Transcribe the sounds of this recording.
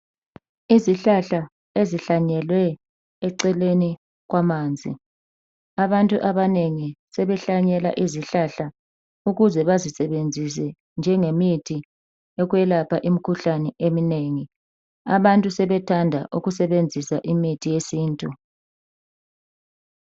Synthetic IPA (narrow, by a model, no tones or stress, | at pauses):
iziɬaɬa | eziɬaɲɛlwɛː | ǀɛleni | ɣwamaːnd͡zʱḭ | aβantʼuʔaβaneŋisɛβɛɬaɲɛla̰ʔiziɬaɬa | uɣuzɛβazisɛβend͡zʱis̬ɛ | nd͡ʒʱɛŋemitʰi | ɛɣwɛlapʰaʔimikʰuɬanɛʔemineŋi | aβantʼusɛβɛtʰandʱa̰ʔuɣusɛβend͡zʱisaʔimitʰijesiːntʼu